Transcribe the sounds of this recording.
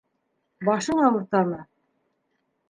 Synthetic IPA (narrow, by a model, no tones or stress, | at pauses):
bɑʃɤɴɑwɤ̆ɾt̪ɑmɤ